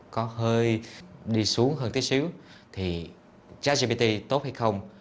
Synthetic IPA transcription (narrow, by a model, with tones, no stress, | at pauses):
kɔ˨˦ɦəː˧jɗi˧˩su˨˦əŋɦəː˧˩nt̪ʰi˦əsi˨˦əwt̪ʰi˨˩ | t͡ɕaː˨˦˥zi˧ɓi˧t̪i˧t̪o˦˥t̚ha˧jxə˧wŋ͡m